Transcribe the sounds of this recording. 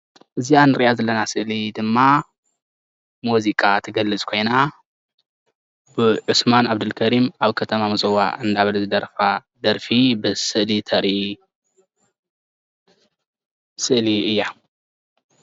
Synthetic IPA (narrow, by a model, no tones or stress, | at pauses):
ʔɨzianɨɾiʔazɐlːɐnasɨʔlid̪ɨmːa | muzikʼat̪ʰɨɡɐlːɨt͡sʼkʰo̞jna | bɨʕɨsmanaβd̪ɨlkʰɐɾimaβkʰɐt̪ʰɐmamɨzɐwa̰ɨnd̪aβɐluzɨd̪ɐɾfa | d̪ɐɾfibɨsɨʔlit̪ʰɐɾi | sɨʔliɨjːa